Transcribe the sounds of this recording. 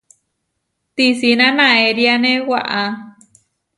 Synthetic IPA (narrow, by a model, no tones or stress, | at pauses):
t̪isinãnãeɾianẽwaʔa